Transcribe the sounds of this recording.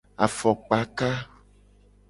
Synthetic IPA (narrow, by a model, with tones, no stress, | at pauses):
a˨fɔ˨k͡pa˨ka˦